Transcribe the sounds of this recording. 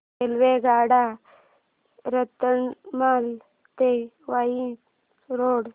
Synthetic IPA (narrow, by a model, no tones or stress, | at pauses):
elʋeɡaːɽa | ɾət̪əɳmal | t̪e | ʋaji | ɾoːɽ